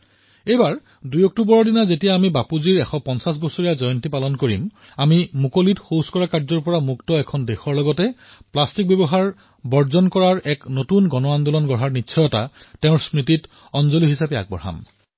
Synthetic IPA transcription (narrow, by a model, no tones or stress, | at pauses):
ejbaɹ | dujɔk̚tubɔɹɔɹdinazetijaːmibapuziɹɛxɔpɔnsas̬bɔsoɹijazɔjɔntipalɔnkoɹḭm | amimukolitxoskɔɹakaɹzɔɹpɔɹamuktɔɛkʰɔndexɔɹlɔɡɔtɛ | plastik̚bɔbɔɦaɹ | bɔɹzɔnkɔɹaɹɛknotunɡɔnɔandɔlɔnɡɔɹɦaɹnitːsʰɔjɔta̰tɛʊ̃ɹsmɹit̬it | ɔnzoliɦisapɛa̰ɡ̚bɔ̰ɹɦa̰m